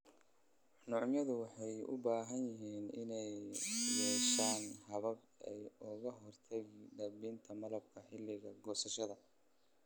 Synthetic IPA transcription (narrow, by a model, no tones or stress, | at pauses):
nʊʕmjɐðʊwɑħɑjʊ̰baːɦɐnjɪɦiːnɪnɛjjɛːʃaːnhɐβɐb | ɛ̰jʊɣɐɦɔrt̪ʰɐɣɪɖɐbiːnt̪ʰɐmɐlɐb̚kʰɐħɪlːɪɣɐɡɔːsɐʃɐðɐ